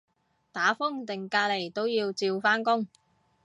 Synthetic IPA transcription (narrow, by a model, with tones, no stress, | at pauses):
t̪aː˨˥fʊ˥ŋt̪ɪ˨ŋkaː˧le˨˩jt̪o˥wjiː˧wt͡siː˧wfaː˥nkʊ˥ŋ